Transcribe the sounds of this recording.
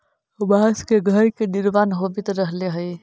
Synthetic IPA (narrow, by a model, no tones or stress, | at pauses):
ʊbʱaskeɡʱəɾked̪iɾʋanɦobit̪ɾəɦleɦəj